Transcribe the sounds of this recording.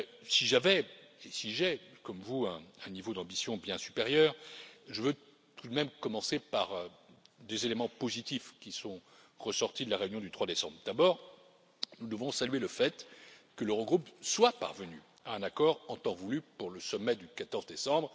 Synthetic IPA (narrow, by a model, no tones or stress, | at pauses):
siʒavɛesiʒɛkɔmvuɛ̃ɛ̃nivod̪ɑ̃bisjɔ̃bjɛ̃sy̥peʁjœːʁʒəvø | t̪ʰud̪mɛmkɔmɑ̃sepaʁ | d̪ezelemɑ̃pozit̪ifkʲisɔ̃ | ʁəsɔʁt̪id̪əlaʁeynjɔ̃d̪yt̪χwad̪esɑ̃bʁd̪abɔːʁ | nud̪əvɔ̃salɥeləfɛt̪kələʁəɡʁupswapa̰ʁvəny | aɛ̃nakɔʁɑ̃t̪ɑ̃vulypuʁləsɔmːɛd̪ykat̪ɔʁzd̪esɑ̃bʁ